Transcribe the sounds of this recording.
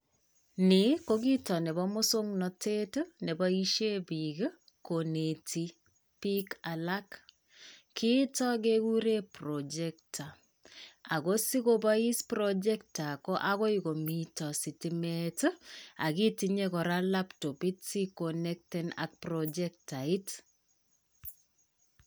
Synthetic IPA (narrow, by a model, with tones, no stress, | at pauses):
niko˦k̬i˦tɔ˨nɛ˨bɔ˦mo˦so˦ŋnɔ˨tʰe˦tnɛ˨bɔ˦i˦ʃe˦biɡ | kone˨tʰi˦ | pi˦ka˨la˦k | kʰi˦tɔ˦k̬e˦ku˦ɾe˦pro˨d͡ʒɛ˦k̚tʰa˨ | a˨ko˦si˦kobɔi˦spɾɔd͡ʒɛ˦k̚ta˨kɔ˦ʔa˦kɔ˦iko˨mitɔ˨si˨timɛtə˦a̰˨ki˦tiɲekɔ˨ɾa˦lapto˨pi˦tsi˦konɛk̚tɛna̰k̚prɔd͡ʒɛk̚tai˦t